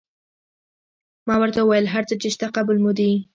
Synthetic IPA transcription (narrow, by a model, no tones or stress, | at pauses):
mɑwəɾt̪awəwajəlɦaɾt͡sət͡ʃeʃt̪aqabəlmud̪i